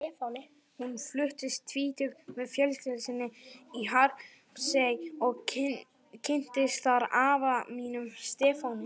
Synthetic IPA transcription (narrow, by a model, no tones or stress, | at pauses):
ɛːfawnɪ | hunflʏht̪ɪst̪ʰviːt̪ʏɣmɛðfjœlsc̪ɪlɪsɪnːɪiɦaɾ | sejɔɣ | cʰɪn̥t̪ɪst̪θaɾavamiːnʏmst̪ɛːfawnʏ